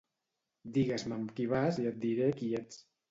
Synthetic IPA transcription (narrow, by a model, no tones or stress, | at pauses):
d̪iɣezməmkiβ̞aziat̪̚d̪iɾekiet͡s